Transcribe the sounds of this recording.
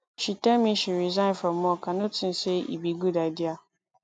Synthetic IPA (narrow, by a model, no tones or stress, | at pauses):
ʃitãmĩɕiɾizãɪ̃nfɾãmːɔ̃kʰãnʊ̃tʰɪ̃nseḭbiɡudaɪdia